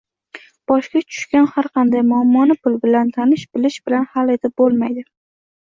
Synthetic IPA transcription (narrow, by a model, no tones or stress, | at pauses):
b̥ɒʃkʲat͡ʃʰʊ̥ʃkʲanhaɾqʰɑnd̪ajmʊamːɒnɪpʊlbɪlant̪ʰanɪʃbɪlɪʃbɪlanhale̞t̪ʰɪp̚bolˠmajd̪ɪ